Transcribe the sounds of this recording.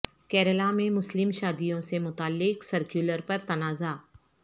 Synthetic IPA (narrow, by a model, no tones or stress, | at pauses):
kɛːɾəlamẽmʊslɪmʃaːd̪ijõsemʊt̪aːlːɪksɐɾkjuləɾpɐɾt̪ɐnaːzaː